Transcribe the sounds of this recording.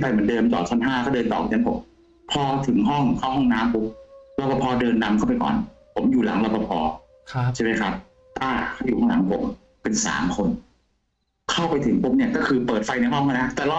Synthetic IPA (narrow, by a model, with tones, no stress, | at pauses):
nfʰa˧jmɯ˩˦ndɤː˧mt͡ɕɔ̰ː˨˩t͡ɕʰɔ˥˩nɦaː˥˩kʰa˥˩wdɤː˧nt̪ɔ̰ː˨˩k̚ʰːnpʰo̰˩˦m | pʰɔː˧t̪ʰɯ˨˩˦ŋɦɔ˥˩ŋkʰa˥˩wɦɔ˥˩ŋnaː˦˥mpu˧˦˥p̚lɔ˧pa˧pʰɔː˧dɤː˧nːa˧˥mkʰa˥˩pa˧jkɔ̰ː˨˩npʰo˩˦mjuː˨˩la̰˩˦ŋlɔ˧pa˧pʰɔː˧ | t͡ɕʰa˥˩jma˥˩jkʰa˦˥p̚ | t̪aː˥˩kʰa˥˩wjuː˨˩ka˥˩ŋla̰˩˦ŋpʰo˨˦m | pe˧nsa̰ː˩˦mkʰo˧n | kʰa˥˩wpa˧jt̪ʰɯ˩˦ŋpʰu˧˥p̚ni˥˩ɐkɔ˥˩kʰɯː˧pɤː˨˩t̪̚fa˧jna˧jɦɔ˥˩ŋʰa˥˩na˦˥t̪ɛː˨˩lː